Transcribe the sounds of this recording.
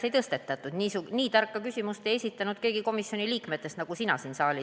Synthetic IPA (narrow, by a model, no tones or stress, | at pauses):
e̞jt̪ɤst̪e̞t̪ːˑɑt̪ːˑud̪̥niːsuniːt̪ɑrkːˑɑkysʲimust̪e̞jesʲit̪ːˑɑnud̪̥̚ke̞ːɡ̥iko̞misjo̞niliːkme̞t̪ːˑe̞st̪nɑɡ̥usinɑ̰siːnsɑːlʲi